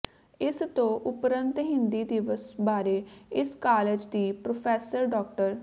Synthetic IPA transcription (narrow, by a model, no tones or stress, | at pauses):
ɪst̪õːʔʊpɾə̃nt̪ɦɪnd̪iːd̪ɪʋəsbaːɾeːɪskaːleːd͡ʒd̪iːpɾoːpʰɛːsəɾɖɔːk̚ʈəɾ